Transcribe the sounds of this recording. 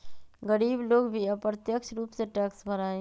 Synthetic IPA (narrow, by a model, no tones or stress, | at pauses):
ɡəɾiːbloːɡbʱiɐpɾət̪jəkʃɾuːpseʈɛːksbʱɐɾaːẽ